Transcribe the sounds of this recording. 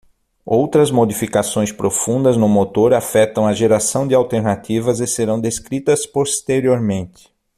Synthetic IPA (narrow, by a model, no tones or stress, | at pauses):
owt̪ɾɐzmod̪ifikasõj̃spɾofũnd̪ɐznʊmot̪oɾafɛt̪ɐ̃w̃ɐʒeɾasɐ̃w̃d̪ɪawt̪eɾnat̪ivɐzɪseɾɐ̃w̃d̪eskɾit̪ɐspost̪eɾioɾmẽnt̪ɪ̥